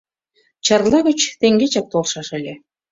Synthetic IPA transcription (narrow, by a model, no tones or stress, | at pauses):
t͡ɕɑrlˠɑɣə̆t͡ɕt̪eŋɡet͡ɕɑk̚t̪olʃɑʃə̆lʲe